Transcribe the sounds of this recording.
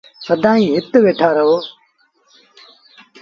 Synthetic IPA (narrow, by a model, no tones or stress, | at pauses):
səd̪ʱãːĩːɦɪt̪ʋeːʈʰaːɾəɦoː